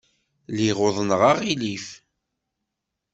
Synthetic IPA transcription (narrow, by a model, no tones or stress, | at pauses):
liʁoðˤnəʁɑʁilif